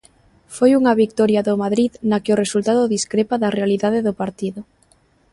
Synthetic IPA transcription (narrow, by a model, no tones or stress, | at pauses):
fojuŋɐβik̚t̪ɔɾjaðʊmaðɾiðnakɪʊresult̪aðʊðiskɾepaðɐrealiðaðeðʊpaɾt̪iðʊ